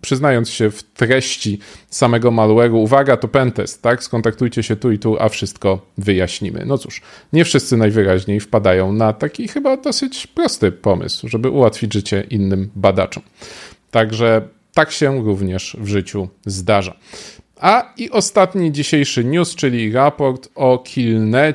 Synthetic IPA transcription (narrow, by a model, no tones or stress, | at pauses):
pʂɘznajɔnt̪sɕɛft̪ɾɛɕt͡ɕisamɛɡɔmalwɛɾuːvaɡat̪ɔpɛnt̪ɛst̪ːakskɔnt̪akt̪ujt͡ɕɛɕɛt̪uit̪uʔa̰fʂɘst̪kɔvɘjaɕɲimɘ̰nɔt̪su̥ʂɲɛfʂɘst̪sɘnajvɘɾaʑɲejfpad̪ajɔ̃w̃nat̪akʲixɘbad̪ɔsɘt͡ɕpɾɔst̪ɘpɔmɘ̰swʐɛbɘʔuwat̪fʲid͡ʑʐɘt͡ɕɛʔinːɘmbad̪a̰t͡ʂɔmt̪aɡʐɛ | t̪akɕɛɾuvɲɛʂvʐɘt͡ɕuzd̪aʐa̰ | aiʔɔst̪at̪ɲid͡ʑiɕejʂɘɲust͡ʂɘlʲiɾapɔɾt̪ɔkʲʰilnɛ